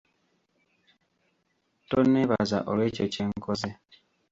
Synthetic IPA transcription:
toneβa̰za̰ʔolweːceceːŋkʰoze

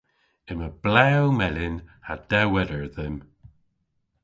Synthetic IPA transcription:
ɪməb̥lɛwmɛlɪnhad̥ɛwɛɾəɹðɪm

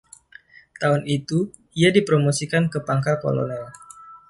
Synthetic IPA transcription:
t̪aʊnit̪u | iadipɾomosikankəpaŋkalko̰lo̰nɛl

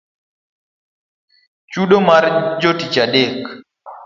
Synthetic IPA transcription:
t͡ʃuɗomaɾd͡ʒotit͡ʃaɗek

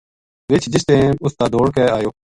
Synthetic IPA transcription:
ʋɪt͡ʃd͡ʒɪst̪ẽːʊst̪aːd̪oːɽkeːaːjoː

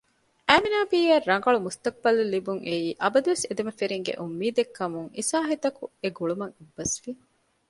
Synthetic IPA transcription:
ʔæːminaːbiːɐrːɐŋɡɐɭumust̪ɐk̚bɐlulːibuŋʔeiːʔɐbɐd̪uʋesed̪emɐfeɾiŋɡḛʔumːiːd̪ekːɐmuŋisaːɦit̪ɐkueɡuɭumɐŋebːɐsʋi

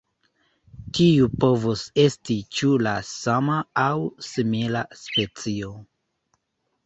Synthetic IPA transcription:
tiupo̞vose̞stit͡ʃulasamaːwsimilaspe̞t͡sio̞

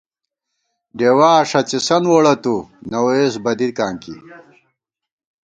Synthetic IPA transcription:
ɖewaːʂɐt͡ɕisɐnwoɽɐt̪unɐwesbɐd̪iɾkaːŋkḭ

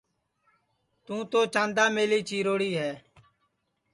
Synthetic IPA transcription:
t̪ũːt̪oːt͡ʃãːnd̪aːmeːliːt͡ʃiːɾoːɽiːɦɛː

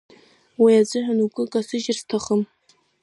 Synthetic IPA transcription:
wijad͡ʑʷʼɨħanukʷʼʊkʼasɨʒɪrstʰaχəm

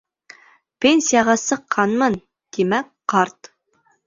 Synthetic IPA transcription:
pensijɑʁɑsəqʰːɑnmɤn | d̪̥emɛk̚ʲqʰɑɾt̪

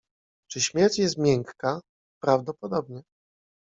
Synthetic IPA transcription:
t͡ʂɘɕmʲjɛɾt͡ɕjɛst̪mʲjɛŋkːa | pɾavd̪ɔpɔd̪ɔbɲɛ

